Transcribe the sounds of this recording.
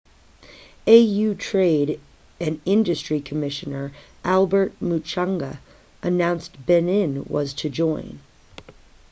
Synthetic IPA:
eɪjʉtʰɹ̥eɪɾ | ɨ̃nɪ̃ndɨstɹ̥ikʰɨmɪʃɨnə˞ʔælˠbə˞t̚mut͡ʃʰɑ̃ŋɡə̰ | ʔɨnãʊ̃nsb̥ɛnɪ̃nwʌ̰z̥tʰɨd͡ʒɔ̃ɪ̃n

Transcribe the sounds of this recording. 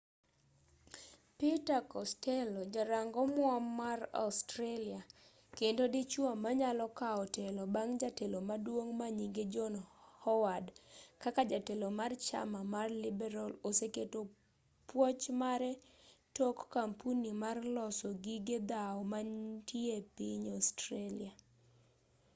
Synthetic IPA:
pitakɔstɛlod͡ʒaɾaŋɡɔmwɔmːara̰stɾelia | kendodit͡ʃwamːaɲalɔkaɔtɛlɔbaŋd͡ʒatelomadwoŋmaɲiɡed͡ʒɔnhɔwadkakad͡ʒatelomart͡ʃa̰mamarlɪbɛɾaloseketo | pwɔt͡ʃmaɾɛtɔkːampunimarlɔsɔɡiɡed̪aɔmantʰjepiɲɔstɾelia

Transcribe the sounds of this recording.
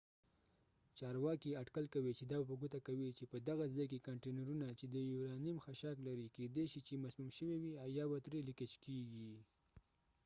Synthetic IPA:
t͡ʃɑɾwɑkiaʈkalkawit͡ʃed̪ɑbapəɡut̪akawit͡ʃepəd̪aɣazɑjk̬ekaɳʈenaɾunat͡ʃed̪əjuɾɑnimxaʃaklaɾiked̪eʃit͡ʃemasmumʃəwewiawjɑbat̪ɾeliket͡ʃkeɡi

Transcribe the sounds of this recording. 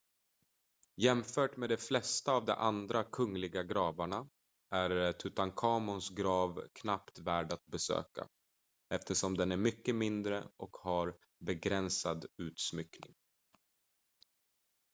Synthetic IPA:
jɛmfœːʈmeːd̪ɛflɛst̪aːvd̪ɛ̰ʔand̪ɾakʰɵŋlɪɡaɡɾɑːvaɳa | ʔæɾt̪ʰʉt̪ankʰɑːmʊnsɡɾɑːvkʰnapt̪væːɖat̪̚bɛsø̰ːka̰ | ɛft̪əʂɔmd̪ɛnæɾmʏkːəmɪnd̪ɾə̰ʔɔkhaɾ | bɛɡɾɛnsad̪ʉ̟ːt̪smʏknɪ̰ŋ

